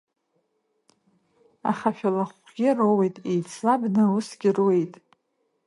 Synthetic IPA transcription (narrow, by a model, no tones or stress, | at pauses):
a̰χaʃᶣalaχʷɡʲɪrowejtʼejt͡sʰlabnɨusɡʲɪrwe̞jtʼ